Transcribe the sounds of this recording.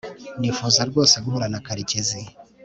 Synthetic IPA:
nifuzaɾɡwo̞ːseɡuhuɾanakaɾicizi

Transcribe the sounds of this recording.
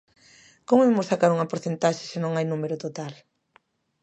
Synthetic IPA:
komimʊsakaɾuŋɐpoɾθent̪aʃɪ̥sɪnõŋajnumeɾʊt̪ot̪al

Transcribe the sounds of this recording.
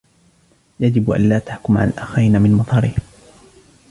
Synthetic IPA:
jad͡ʒɪbʔa̰nlaːt̪aħkʊmʕa̰lalʔaxiːnamɪnmɑt̪ˤɑɾɪh

